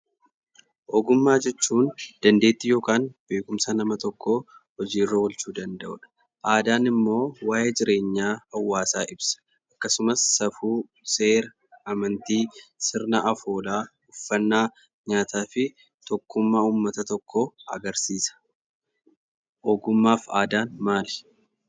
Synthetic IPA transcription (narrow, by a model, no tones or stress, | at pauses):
ʔoːɡʊmːaːd͡ʒɛt͡ʃːuːnd̪̥ɐnd̪e̞ːt̪ːɪjo̞ːkaːnb̥e̞ːkʊmsɐnɐmɐt̪ɔkʰːoːhɔd͡ʒiːrːɐwɔlt͡ʃuːd̪ɐnd̪ɐʔʊ̰ᶑɐ̥ | ʔaːd̪aːnɪmːo̞ːwaːjed͡ʒɪɾe̞ːɲːaːhɐwːaːsaːʔɪbsɐ̥ | ʔɐkːɐsʊmɐsːɐfuː | se̞ːɾ | ɐmɐnt̪iːsɪɾnɐʔɐfo̞ːlaː | ʊfːɐnːaː | ɲaːt̪aːfɪ | t̪ɔkːʊmːaːuːmːɐt̪ɐt̪ɔkʰːoːɐɡɐɾsiːsɐ̥ | ʔoːɡʊmːaːfa̰ːd̪aːnmaːlɛ̥